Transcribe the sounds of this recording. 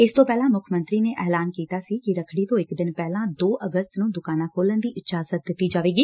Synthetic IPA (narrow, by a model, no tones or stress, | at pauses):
ɪst̪õːpɛːlãːmʊkʰmənt̪ɾiːneːʔɛːlaːnkiːt̪aːsiːkɪɾəkʰɽiːt̪õːɪkd̪ɪnpɛːlãːd̪oːʔəɡəst̪nũːd̪ʊkaːnãːkʰoːlənd̪iːʔɪtʃaːzət̪̚d̪ɪt̪ːiːd͡ʒaːʋeːɡiː